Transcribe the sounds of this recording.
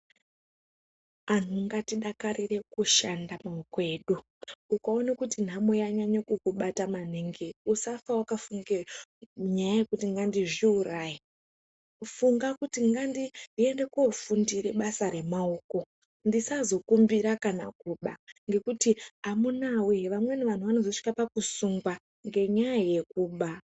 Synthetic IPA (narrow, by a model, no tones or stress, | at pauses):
an̤uŋɡatiɗakarire̞kuʃandamaoke̞ːɗu | ukaonakutin̤amojaɲaɲakukuɓataman̤iŋɡeusafawakafuŋɡeɲajajekutiŋɡandiʐiuraːji | ufuŋɡakutiŋɡandie̞nde̞kofundire̞ɓasaɾe̞maoːko̞ | ndisazo̞kumbiɾakana̰kuːɓa̰ŋɡe̞kutiamunaweʋamwe̞neʋan̤uʋano̞zo̞ʂi̥kapakusuŋɡwa | ŋɡe̞ɲajaje̞kuːɓa